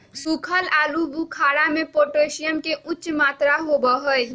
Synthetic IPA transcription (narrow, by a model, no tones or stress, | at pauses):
sukʰəlalubukʰaɽamepoʈesijəmkeʔutːt͡ʃmat̪ɾaɦobəɦəj